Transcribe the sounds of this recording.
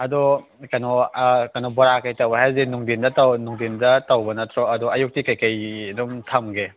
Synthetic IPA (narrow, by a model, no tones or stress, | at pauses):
ɐdɔ | kajnɔkɐnɔbɔɾakajtawbaɦazenuŋdindɐtawnuŋdindɐtɐwbɐnɐtʰɾɔɐduɐjuk̚tikɐjkɐjdumtʰamɡe